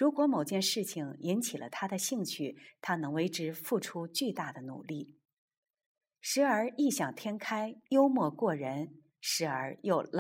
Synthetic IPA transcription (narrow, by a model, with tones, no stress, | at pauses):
ɻu˧˥kwɔ˧˥mo˨˩ʊt͡ɕjɛ˥˧nʂɻ̩˥˩t͡ɕʰi˩ŋi˧˥nt͡ɕʰi˨˩lʔə̰˦t̪ʰa˥d̪ə˨ɕi˥˧ŋt͡ɕʰy˥˩t̪ʰa˥nɤ˧˥ŋwe˧˥ɪʈ͡ʂɻ̩˧˥fu˥˩ʈ͡ʂʰu˥t͡ɕy˥˧t̪a˥˩d̪ə˩nṵ˨˩li˥˩ | ʂɻ̩˧˥ə˞˧˥i˥˩ɕjɑ˨˩ŋt̪ʰjɛ˥nkʰa˥ɪjo˥ʊmwɔ˥˧kwɔ˥˩ɻə˧˥n | ʂɻ̩˧˥ə˞˧˥jo˥˩ʊl